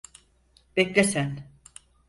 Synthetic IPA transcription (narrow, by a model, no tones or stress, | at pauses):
b̥ɛclʲesæn